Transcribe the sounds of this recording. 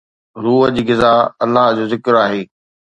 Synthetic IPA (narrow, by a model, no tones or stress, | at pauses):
ɾuːɦəd͡ʑiːɡɪzaːɐlːaɦd͡ʑoːzɪkəɾaːɦeː